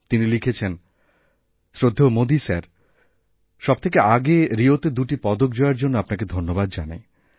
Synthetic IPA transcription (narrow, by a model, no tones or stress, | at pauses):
t̪inilikʰet͡ɕʰen | sɾod̪ʱːomod̪isaɾ | ʃɔb̚t̪ʰekeʔaɡeɾiot̪ed̪uʈipɔd̪ok̚d͡ʑɔeɾd͡ʑonːoapnaked̪ʱonːobad̪d͡ʑana̰